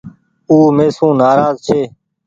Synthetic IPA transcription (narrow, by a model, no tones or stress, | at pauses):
uːmeːsũːnaːɾaːzt͡ʃʰeː